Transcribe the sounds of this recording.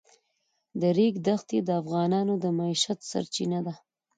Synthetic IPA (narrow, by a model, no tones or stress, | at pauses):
d̪əɾiɡd̪axt̪ed̪əafɣɑnɑnod̪əmaiʃat̪sa̰ɾt͡ʃinad̪a